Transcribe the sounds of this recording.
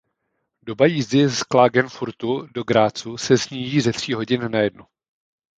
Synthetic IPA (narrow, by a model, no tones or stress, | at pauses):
do̞bajizdɪsklaːɡɛnfuɾt̪udo̞ɡɾaːt͡susɛsɲiːʒiːzɛt̪r̝̥iːɦo̞ɟɪnnajɛdno